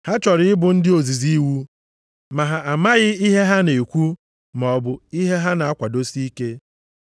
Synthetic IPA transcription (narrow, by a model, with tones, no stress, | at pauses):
ha˦t͡ʃɔ˨ɾɪ˦ɪ˦bʊ˨n̩˦dɪ˦o˨zi˨zi˦wu˦ | ma˨ɦa˨a˨ma˦ɣɪ˦i˦ɦe˦ɦa˦ne˨e˨kʷu˦ | m˨ɔ˨bʊ˨i˦ɦe˦ɦa˦na˨a˦kʷa˨do˦si˦i˦ke˦